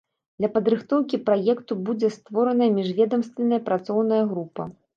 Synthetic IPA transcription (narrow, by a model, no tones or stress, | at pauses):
d̪lʲɐpɐd̪ɾɨxt̪ɔwkʲipɾajɛkt̪ubud͡zʲɛst̪vɔɾɐnɐjɐmʲiʐvʲɛd̪ɐmst̪vʲɛnɐjɐpɾat̪sɔwnɐjɐɣɾupɐ̰